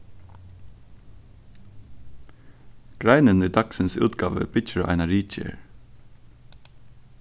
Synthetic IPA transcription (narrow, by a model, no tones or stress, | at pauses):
ɡ̥ɹæɪnəniːd̪ɑksɪnsʉ̰ːt̪ɡɑːʋə̰b̥ɪt͡ʃəɾɑ̰ɪnɑɹiːc͡çə̰ɹ